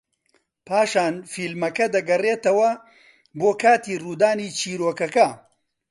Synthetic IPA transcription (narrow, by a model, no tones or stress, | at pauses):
pʰaːʃaːnfiːlmɐkɐd̪ɐɡɐreːt̪ɐwɐ | boːkʰaːt̪iːruːd̪aːniːt͡ʃʰiːɾoːkɐkɐ